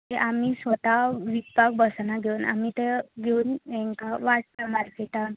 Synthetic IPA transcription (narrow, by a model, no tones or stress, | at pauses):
eʔamisʋət̪aʋipaɡ̚bəsnaɡʱeuna̰mit̪eɡʱeunɛŋkaʋaʈ̚pəmaɾkeʈa